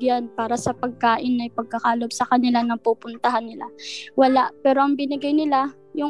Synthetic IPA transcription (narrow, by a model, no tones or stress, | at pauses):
ɡjanpaːɾɐsɐpɐɡ̚kaːʔɪnːɐjpɐɡ̚kɐkaːlobsɐkɐnɪlanɐŋpupʊnt̪ɐɦanːɪla̰wɐlaʔpɛːɾoʔɐŋbɪnɪɡajnɪla | jʊŋ